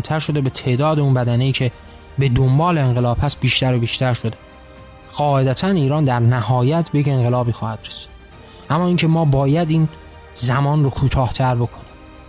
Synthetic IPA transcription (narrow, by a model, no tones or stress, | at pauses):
t̪ʰæɾʃo̞d̪e̞be̞t̪ʰeːʔd̪ɒːd̪eunbæd̪æneiːcʰe̞ | be̞d̪ombɒːleenɢelɒːb̥hæst̪̚biːʃt̪æɾobiːʃt̪ʰæɾʃo̞d̪e | ɢɒːed̪æt̪ʰæniːɾɒːnd̪æɾnæhɒːjæt̪ʰbejece̞ŋɢe̞lɒːbiːxɒːhæd̪̥resi̥ːd̪̥ | ʔæmːɒːiŋcʰe̞mɒːbɒːjæd̪iːn | zæmɒːnrokʰuːt̪ʰɒːht̪ʰæɾbo̞kʰo̞niːm